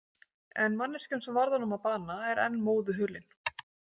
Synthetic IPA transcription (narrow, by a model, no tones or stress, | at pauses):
ɛnmanːɛɾ̥scʏnsɛmvaɾðanʏmapaːnaɛɾɛ̰nːmoːwðʏɦʏːlɪn